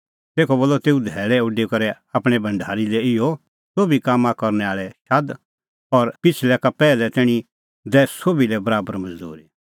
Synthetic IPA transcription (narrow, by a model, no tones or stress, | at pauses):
t̪eːkʰɔboːlːɔt̪eːũd̪ʱɛːɭɛʊɖekɐɾɛ | aːpɽ̃ɛbʱɐ̃ɳɖʱaːɾilɛɪɔ | soːbikaːmːãkɐɾnɛaːɭɛʃad̪ | ɔɾpɪt͡ʃʰlɛkapɛːlɛt̪ɪːɽ̃i | d̪ɛːssoːbilɛbɐɾaːbəɾmɐd͡zd̪ṵːɾe